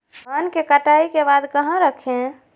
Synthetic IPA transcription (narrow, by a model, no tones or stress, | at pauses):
ankekəʈaikebad̪kəɦãɾəkʰẽ